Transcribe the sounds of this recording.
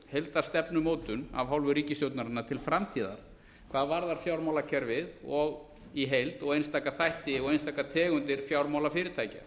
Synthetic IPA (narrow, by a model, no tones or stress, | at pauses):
hejlt̪ḁst̪ɛpnʏmoːwt̪ʏna̰vɦawlvʏɾiːcɪstjowt̪naɾɪnːat̪ʰɪlfɾamt̪ʰiːða̰ɾ̥ | kʰvaːðvaɾðaɾ̥fjawɾmawlacʰɛɾvɪðɔɣ | iɦejlt̪ɔɣejnst̪aːjkaθajht̪ɪɔɣejnst̪aːjkat̪ʰɛːɣʏnt̪ɪɾ̥fjawɾmawlafɪːɾɪɾ̥t̪ʰaːjca̰